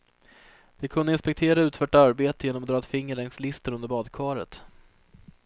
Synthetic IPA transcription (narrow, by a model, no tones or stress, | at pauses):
d̪̥ɛkʰɵnd̪əɪnspɛk̚t̪ʰeːɾaʉ̟ːt̪fœːʈːaɾbeːt̪əjeːnɔmɔd̪ɾɑːɛt̪fɪŋːəɭɛŋslɪst̪ənɵnd̪əɾbɑːd̪kʰvɑːɾə̰t̪